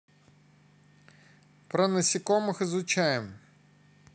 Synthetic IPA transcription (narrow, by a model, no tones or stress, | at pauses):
pɾɐnɐsʲikɔmɪxɪzʊt͡ʃajem